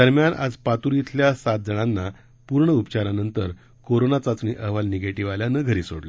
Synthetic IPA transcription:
d̪əɾmjanʔa̰d͡zpat̪uɾit̪ʰljasat̪̚d͡zəɽ̃anːa | puɾɳəupt͡ɕaɾanənt̪əɾ | koɾonat͡sat͡sniʔəɦʋalneɡeʈiʋaljanəɡʱəɾiːso̰ɽlə

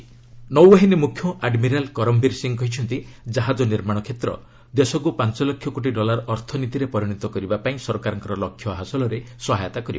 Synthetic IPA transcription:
nɔwɔɦenemukʰjɔʔaɖmiɾalkɔɾɔmbiɾsiŋkɔɦit͡ʃʰɔnt̪id͡ʒaɦad͡ʒɔniɾmaɽ̃ɔkʰet̪ɾɔ̰ | d̪esɔkupant͡ʃɔlɔkʰjɔkoʈ̬iɖɔlaɾɔɔɾt̪ʰɔnit̪iɾepɔɾiɽ̃it̪ɔkɔɾibapaĩsɔɾɔkaɾɔŋkɔɾɔlɔkʰjɔɦasɔlɔɾesɔɦajɔt̪akɔɾiba

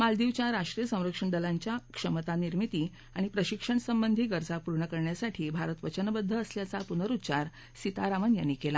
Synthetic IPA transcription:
mald̪iʋt͡ɕjaɾaʂʈɾijəsə̃w̃ɾəkʂəɳd̪əlaɲt͡ɕjakʂəmət̪aniɾmit̪iː | aɽ̃ipɾəɕikʂəɳsəmbənd̪ʱiːɡəɾd͡zapuɾɳəkəɾɳjasaʈʰiːbʱaɾət̪ʋət͡ɕənbəd̪ʱːəːsljat͡sapunəɾut̪ːɕaɾ | sit̪aɾaʋənja̰nːikela

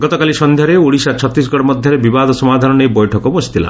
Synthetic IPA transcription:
ɡɔt̪ɔkalisɔnd̪ʱjaɾeoɽisat͡ʃʰɔt̪ːis̬ɡɔɽɔmɔd̪ʱjɔɾebibad̪ɔsɔmad̪ʱanɔnejbɔjʈʰɔkɔbɔsʰi̥t̪ʰila̰

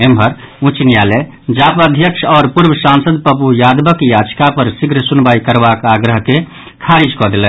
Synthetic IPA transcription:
emɦəɾ | ũt͡ʃnijale | d͡ʒapəd̪ʱjəkʃɔːɾpuɾbʱəsãnsəd̪pəpujad̪bəkjad͡ʒkapəɾsiɡɾəsunbaikəɾbakaɡɾəɦke | kʰaɾid͡ʒkɔd̪elɛ

